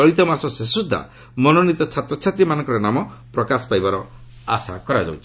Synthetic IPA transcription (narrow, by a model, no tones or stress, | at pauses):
ɔɾit̪ɔmasɔsesud̪ʱːa̰ | mɔnɔnit̪ɔt͡ʃʰat̪ɾɔt͡ʃʰat̪ɾimanɔ̃ŋkɔɾɔnamɔpɾɔkasɔ̥pajbaɾɔ | a̰sa̰kɔɾad͡ʒa̰wt͡ʃʰi